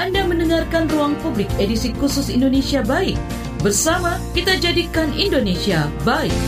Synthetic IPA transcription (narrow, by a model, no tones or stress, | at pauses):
ʔandamə̃ndəŋarkanruaŋpublɪk̚edisikusʊsindonesiabaɪk̚ | bərsamakit̪ad͡ʒadikanindonesiabaɪk̚